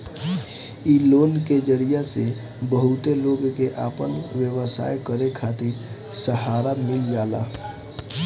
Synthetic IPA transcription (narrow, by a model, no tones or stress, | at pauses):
iːloːnked͡ʒəɾijase | bəɦʊt̪eloːɡkeʔaːpənʋjəwəsa̰ːjkəɾekʰaːt̪ɪɾ | səɦaːɾamɪld͡ʒaːla̰ː